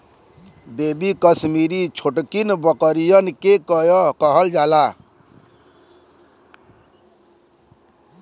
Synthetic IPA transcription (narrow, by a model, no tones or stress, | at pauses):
bebikʌsmiɾit͡ʃʰoʈkinbəkəɾijʌnkekjkʌɦʌld͡ʒala